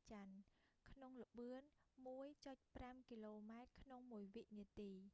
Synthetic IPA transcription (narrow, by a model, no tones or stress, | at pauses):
t͡ɕankʰnoŋlə̆ɓɨənmuəjt͡ɕoc̚pramkiloːmaɛt̪̚kʰnoŋmuəjʋiʔniət̪iː